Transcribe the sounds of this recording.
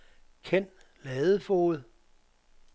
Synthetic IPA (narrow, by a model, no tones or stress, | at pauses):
kʰen̰d̥ | lɛːðˠəfoːð̩ˠ